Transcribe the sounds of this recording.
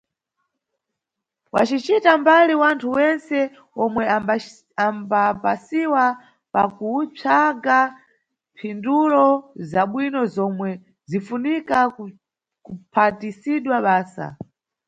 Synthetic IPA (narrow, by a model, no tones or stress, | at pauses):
wa̰t͡ʃit͡ʃitambaliwantʰuwɛnsɛ | ɔmwɛ | ambapasiwa | pakut͡sʰaɡa | mpʰindulɔzaɓwinɔzɔmwɛ | zifunika | kupʰatisiɗwaɓaːsa̰